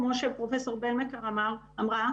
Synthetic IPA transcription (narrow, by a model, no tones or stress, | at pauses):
mɔ̃ʃɛlpχɔfɛsœʁbɛlmakaʁamaʁ | amʁa